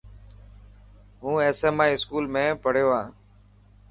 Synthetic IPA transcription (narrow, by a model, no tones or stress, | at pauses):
ɦũːeːseːmaːiːɪskuːlmẽːpəɽ̤joːaː